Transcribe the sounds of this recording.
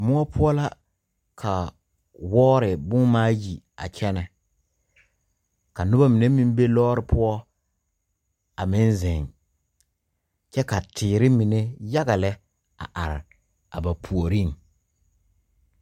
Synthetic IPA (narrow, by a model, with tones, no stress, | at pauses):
mʊ˦ɔ˦pʰʊ˦ɔ˦la˦ | kʰa˨ | wɔː˦ɾɪ˨bʊ˦ŋmaː˦ji˨ | a̰˨t͡ʃɛ˦nɛ˨ | ka˨nʊ˦ba˦mi˨ne˦mĩ˦m˦be˦lɔː˦ɾɪ˨pʰʊ˦ɔ˦ | a˨mɪ˦nzɪ˨ŋ | t͡ʃɛ˦ka˨tʰɪː˨ɾɪ˦mi˨ne˦ja˦ɡa˨lɛ˦ | a̰˨ʔa˨ɾɪ̰˨ | a̰˨ba˨pʰu˨o˨ɾi˦˨ŋ